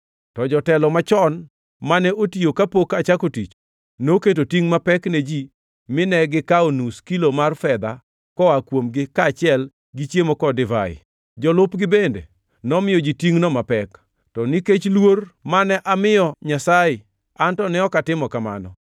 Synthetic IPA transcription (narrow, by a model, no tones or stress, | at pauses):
tɔd͡ʒɔtɛlɔmat͡ʃɔn | manɛotijokapokat͡ʃakotit͡ʃ | noket̬otiŋmapɛkned͡ʒi | mɪnɛɡɪkaonuskilomarfɛd̪a | kɔakwomɡɪkaːt͡ʃɪɛl | ɡɪt͡ʃjemokɔdɪva̰ɪ̰ | d͡ʒɔlʊpɡɪbendḛ | nɔmɪjɔd͡ʒitiŋnɔmapɛk | tɔniket͡ʃlwormanɛʔamɪjɔɲasaɪ | antɔnɛɔkatɪmɔkama̰nɔ